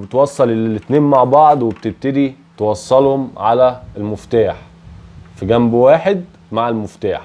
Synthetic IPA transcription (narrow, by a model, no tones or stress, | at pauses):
bet̪wɑsˤːɑleet̪neːnmaʕbɑʕd̪ˤwebt̪eb̚t̪ed̪i | t̪ewɑsˤːɑlhomʕalæelmoft̪aːħ | fiɡæmbwaːħed̪̚ | maʕalmʊft̪a̰ːħ